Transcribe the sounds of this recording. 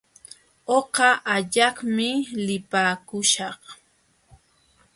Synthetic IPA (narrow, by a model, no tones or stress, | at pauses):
oqɑʔaʎɑχmɪlɪpaːkʊʃɑχ